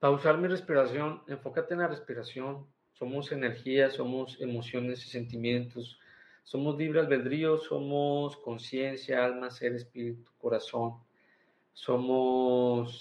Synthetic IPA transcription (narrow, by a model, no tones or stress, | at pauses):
pausaɾmire̞spiɾasjo̞ne̞ɱfo̞kat̪enlare̞spiɾasjo̞n | so̞mo̞se̞ne̞ɾxiaso̞mose̞mo̞sjo̞ne̞si̥se̞nt̪imjẽ̞nt̪osː | o̞mo̞zliβɾazβe̞ld̪ɾio̞so̞̰mosko̞nsje̞nsjaalmase̞ɾe̞spiɾit̪u̥ko̞ɾaso̞n | so̞mos